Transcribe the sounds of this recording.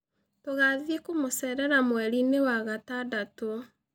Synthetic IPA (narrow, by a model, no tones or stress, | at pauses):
toɣaðekomosɛɾɛɾamwɛɾinewaɣatadato